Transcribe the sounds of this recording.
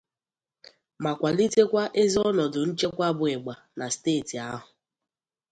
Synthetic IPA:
ma˨kʷa˨li˦te˦kʷa˦ʔe˦zi˦ɔ˦nɔ˨dʊ˨n̩˦t͡ʃe˦kʷa˦bʊ˨e˨ɡ͡ba˨na˨steː˦˨ti˨a˦ɦʊ˨

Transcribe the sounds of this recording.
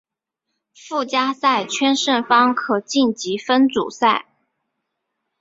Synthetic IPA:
fu˥˩t͡ɕja˥sa˥˩ɪt͡ɕʰɥɛ˥nʂə˥˩nfɑ˥ŋkʰɤ˨˩t͡ɕi˥˩nt͡ɕi˧˥fə˥nt͡sṵ˨˩sa˥˩ɪ

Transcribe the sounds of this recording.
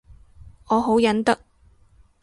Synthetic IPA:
ɔː˨˧ɦo˨˥wjɐ˨˥nt̪ɐ˥k̚

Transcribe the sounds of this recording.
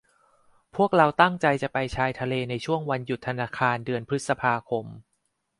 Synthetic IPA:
pʰu˥˩ək̚ɾa˧wt̪a˥˩ŋt͡ɕa˧jt͡ɕa˨˩pa˧jt͡ɕʰaː˧jt̪ʰa˧leː˧na˧jt͡ɕʰu˥˩əŋwa˧nju˨˩t̪ʰːa˧naː˧kʰaː˧ndɯ˧ənpʰɾɯ˦˥t̪̚sa˧pʰaː˧kʰo˧m

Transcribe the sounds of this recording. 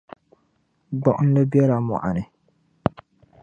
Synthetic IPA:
ɡ͡bɔ˦ʔʊ˦n̩˦la˦bjɛ˦la˨mɔ̰˨ʔa̰˨nɨ˨

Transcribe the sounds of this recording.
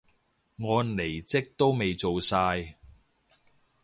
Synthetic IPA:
ŋɔː˨˧le˨˩jt͡sɪ˥k̚t̪o˥wme˨jt͡so˨wsaː˧j

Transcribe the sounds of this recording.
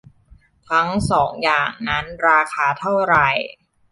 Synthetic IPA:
kʰɾa˦˥ŋsɔː˩˦ŋjaː˨˩ŋna˦˥nɾaː˧kʰaː˧t̪ʰa˥˩wɾa˨˩j

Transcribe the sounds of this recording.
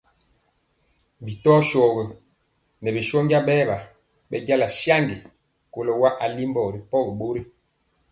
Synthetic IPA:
bi˨tɔː˦ʃɔː˨ɡɛ˨ | nɛ˨bi˨ʃɔ˦ɲɟa˦ɓɛː˦ba˨ | ɓɛ˦ɟa˦la˨ʃja˦ŋɡi˨ | ko˨lɔ˦˨wa˦ʔa˨li˦mbɔ˨ɾi˨pɔ˦ɡɛ˨ɓo˦ɾi˦

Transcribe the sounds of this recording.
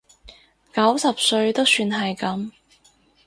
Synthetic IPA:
kɐ˨˥wsɐ˨p̚sɵ˧ɥt̪o˥wsyː˧nɦɐ˨jkɐ˨˥m

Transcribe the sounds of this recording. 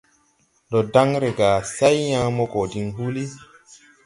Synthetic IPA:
ɗɔ˨da˦ŋɾɛ˨ɡaː˨sa˦jjãː˦mɔ˦kɔ˨di˦nɦu˦li˦

